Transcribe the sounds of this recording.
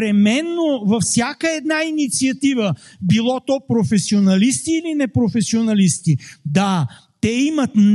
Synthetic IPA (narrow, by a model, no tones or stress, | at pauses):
ɾɛmɛnːovɐfsʲjakəɛd̪nainit̪siɐt̪ivəbilˠɔt̪ɔpɾofɛsionɐlist̪iːlinɛpɾofɛsionɐlist̪id̪a | t̪ɛimət̪n